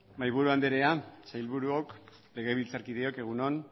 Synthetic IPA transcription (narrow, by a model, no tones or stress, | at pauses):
majβuɾuand̪eɾe̞asajlβuɾuok | le̞ɣe̞β̞ilt͡saɾkið̞e̞o̞ke̞ɣ̞unon